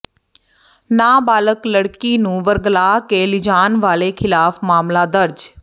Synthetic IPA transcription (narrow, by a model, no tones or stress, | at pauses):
naːbaːləkləɽkiːnũːʋəɾɡlaːkeːlɪd͡ʒaːnʋaːleːkʰɪlaːfmaːmlaːd̪əɾd͡ʒ